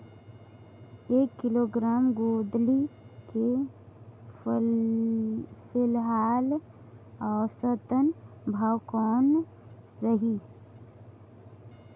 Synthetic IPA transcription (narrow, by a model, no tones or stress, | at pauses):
eːkːɪloːɡɾaːmɡoːd̪like | pʰɪlɦaːl | ɔːsət̪ənbʱaːwkɔːn | ɾəɦi